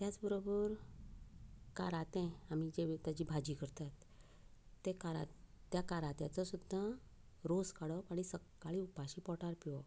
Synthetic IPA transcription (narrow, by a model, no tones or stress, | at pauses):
t̪jat͡sbəɾobəɾ | kaɾat̪ɛ̃amid͡ʑeʋt̪jat͡ɕiːbʱad͡ʑiːkəɾt̪at̪ː | ekaɾa̰t̪ː | jakaɾat̪jat͡sɔsud̪ʱːa | ɾoskaɽɔpaɽ̃isəkːaɭiupaɕiːpɔʈaɾpiɔ